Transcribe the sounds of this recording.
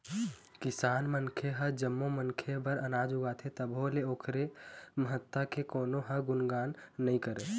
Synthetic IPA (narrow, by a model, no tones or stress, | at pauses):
kisanmənkʰeɦəd͡ʒəmːomənkʰebəɾənad͡ʒuɡat̪ʰet̪əbɦoleoːkʰɾeməɦət̪ːəkekoːnoɦəɡunɡanːəikəɾe